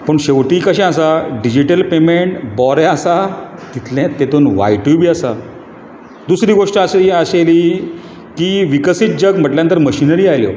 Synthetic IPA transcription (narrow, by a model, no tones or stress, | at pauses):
pəɳɕeʋʈiːkəɕɛ̃as̬aɖid͡ʑiʈəlpemeɳʈbɔɾjɛasa | t̪it̪ʰlɛ̃t̪ːet̪oːnʋa̰jʈubiːasa | d̪usɾiːɡoʂʈəasiaɕeliː | kiːʋikəsiːt̪̚d͡ʑəɡm̤əʈljãnt̪əɾməɕinəɾiːajljo̰